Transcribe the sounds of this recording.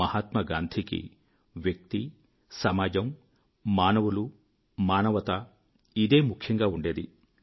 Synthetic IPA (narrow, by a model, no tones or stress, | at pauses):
ɐhaːt̪mɐɡaːnd̪ʰʱikḭ | ʋjɐk̚t̪i | sɐmaːd͡ʒɐm | maːnɐʋulu | maːnɐʋɐt̪ɐ | id̪e̞ːmukʰjɐŋɡaːuɳɖe̞ːd̪i